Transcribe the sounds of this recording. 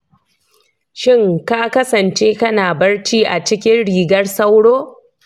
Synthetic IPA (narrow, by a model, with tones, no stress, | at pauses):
ʃɪ˦ŋkaː˦kɐ˦sɐ˨nt͡ʃeː˦kɐ˦naː˨bɐ˦ɽt͡ʃiː˦ʔa˨t͡ʃɪ˦kʲɪ˦nɽiː˨ɡɐ˦rsɐ˦wɽoː˦